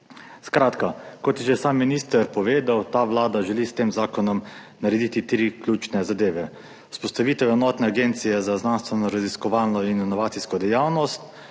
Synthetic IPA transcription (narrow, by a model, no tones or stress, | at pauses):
skɾaːt̪kakɔt̪jɛʒɛsaːmːinist̪əɾpɔʋeːd̪awt̪aʋlaːd̪aʒɛlist̪eːmzaːkɔnɔm | naɾɛd̪it̪it̪ɾiːklʲuːt͡ʃnɛzad̪eːʋɛ | u̥spɔst̪aʋiːt̪ɛwɛnɔːt̪nɛaɡeːnt̪sijɛzaznanst̪ʋɛnɔɾaziskɔʋaːlnɔininɔʋaːt̪siskɔd̪ɛjawnɔst̪